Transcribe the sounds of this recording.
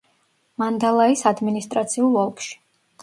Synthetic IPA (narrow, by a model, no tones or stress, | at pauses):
mand̪alˠaisad̪minist̪ʼɾat̪sʰiulˠɔlˠkʃi̥